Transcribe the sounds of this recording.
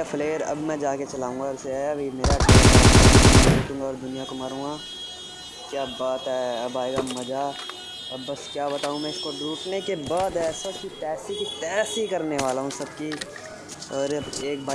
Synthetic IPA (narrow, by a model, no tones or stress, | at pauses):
apʰleːɾɐ̰bmɛ̃d͡ʒaːket͡ʃɐlaːũːŋɡaseɐbʱimeːɾaaː | eːkʊ̃ːŋɡaɔːɾd̪ʊnijakomɐɾũːɡaː | kjaːbaːt̪ɦɛːɐbaːeɡamɐd͡ʒa | ɐbːɐskjaːbɐt̪aːũmɛ̃ɪskod̪uːʈnekebaːd̪ɛːsakit̪ɛːsikit̪ɛːsikɐɾneʋaːlaɦũsɐbki | ɔːɾeːkba